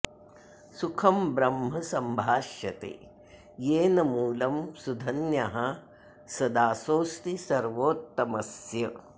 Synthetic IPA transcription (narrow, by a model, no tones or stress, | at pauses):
sukʰɐmbɾɐmɦɐsɐmbʱaːʃjɐt̪ḛː | jeːnɐmuːlɐmsud̪ʱɐnjaɦɐ | sɐd̪aːsoːst̪isɐɾʋoːt̪ːɐmɐsjɐ